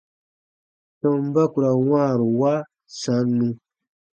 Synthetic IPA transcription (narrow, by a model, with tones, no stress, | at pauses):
sõ˨m˦ba˦ku˨ɾa˨ŋwaː˦˨ɾo˨wa˦ | sa˨˦nːũ˦